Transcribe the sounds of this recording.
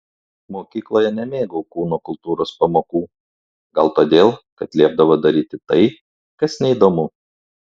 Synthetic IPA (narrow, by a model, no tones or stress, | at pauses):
moːkʲiːklˠoːjɛnʲɛmʲeːɡɐʊkuːnoːkʊlˠt̪uːɾoːspɐmoːkuː | ɡɐlˠt̪oːd̪ʲeːlˠkɐt̪lʲiɛb̚d̪ɐʋoːd̪ɐɾʲiːt̪ʲɪt̪ɐɪ | kɐsnʲɛid̪oːmʊ